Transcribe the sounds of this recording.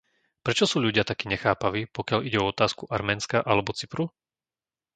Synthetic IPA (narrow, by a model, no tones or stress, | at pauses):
pɾɛt͡ʃɔsuːʎuɟɪat̪akiːɲɛxaːpaʋiːpɔkɪaʎiɟɛɔɔt̪aːskuʔaɾmɛːnskaʔalɛbɔt͡sipɾu